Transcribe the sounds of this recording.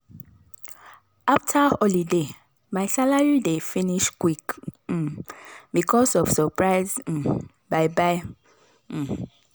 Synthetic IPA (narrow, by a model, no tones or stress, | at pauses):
aftʰaɔlide | maɪsalaɹidefĩniʃkwik̩ | bikʰɔsɔv̥səpɹaɪz̩ | baɪbaɪ